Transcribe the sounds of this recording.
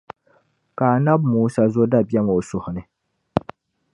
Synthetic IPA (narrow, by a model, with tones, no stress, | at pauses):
kaː˨na˦bmuː˨˦sa˦zo˦da˦bjɛ˦m˨o˨sʊ˨hʊ˨nɨ˦